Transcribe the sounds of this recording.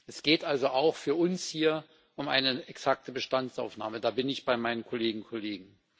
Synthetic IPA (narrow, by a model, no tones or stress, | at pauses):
ʔɛsɡ̥eːtʔalzoʔaʊxfyːɐʔʊnshiːɐ | ʔʊmʔa̰ɪnəɛksak̚təbəʃtant͡sa̰ʊfna̰ːmədaːbɪnɪçb̥aɪmaɪnənkʰoleːɡŋ̩kʰoleːɡŋ̩